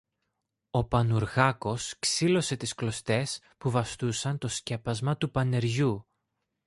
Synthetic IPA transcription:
o̞pɐnuɾɣɐko̞sksilo̞se̞t̪isklo̞st̪e̞s | puvɐst̪usɐnt̪o̞sce̞pɐzmɐt̪upɐne̞ɾʝu

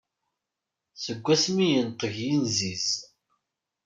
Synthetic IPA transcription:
səɡʷːæsmijənt̪ˤəʝjinziz

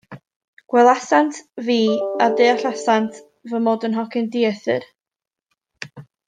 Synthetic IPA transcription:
ɡ̥wɛlˠasantʰviːadeːaɬasantʰ | vəmoːdənɦɔkʰɪndiɛθɨ̰r

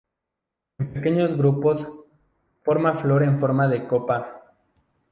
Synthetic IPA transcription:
empeke̞ɲo̞zɣɾupo̞s | fo̞ɾmaflo̞ɾeɱfo̞ɾmaðe̞ko̞pa

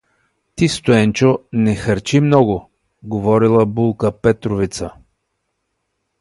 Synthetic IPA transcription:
t̪ist̪oɛnt͡ʃonɛxəɾt͡ʃimnɔɡo | ɡovɔɾilˠəbulˠkəpɛt̪ɾovit̪sə

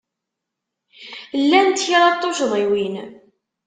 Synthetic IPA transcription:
lːænt̪çiʁɑt̪ˤːoʃəðˤiwin

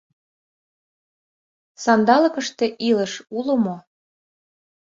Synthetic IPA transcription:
sɑnd̪ɑlɤ̆kə̆ʃt̪eʔilə̆ʃulə̆mo

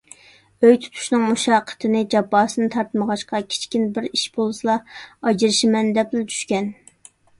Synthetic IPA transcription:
øjt̪ʰu̥t̪ʰu̥ʃnɨŋmuʃɑqʰːə̥t̪ʰɨnɨd͡ʒɑpːɑːsɨnɨt̪ʰɑɾt̪məʁɑʃqɑkʲʰe̥t͡ʃkʲinbɪɾiʃbolˠsɨlˠɑɑd͡ʒiɾɨʃimɛnd̪ɛplɛt͡ʃ̪ʰy̥ʃkʲɛn

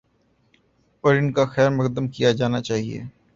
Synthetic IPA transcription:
ɔːɾɪnkaxɛːɾmɐkd̪əmkijad͡ʒaːnat͡ʃaːɦiḛː

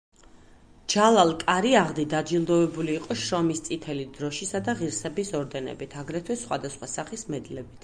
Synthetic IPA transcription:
d͡ʒalˠalˠkʼaɾiaʁd̪id̪ad͡ʒilˠd̪ɔvɛbuliːqʼɔʃɾɔmist̪sʼit̪ʰɛlid̪ɾɔʃisad̪aʁiɾsɛbisɔɾd̪ɛnɛ̰bit̪ʰaɡɾɛt̪ʰwɛsχwa̰d̪asχwasaχismɛd̪lɛbit̪ʰ

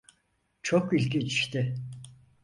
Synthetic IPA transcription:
t͡ʃʰokilʲɡit͡ʃi̥ʃt̪ʰɪ

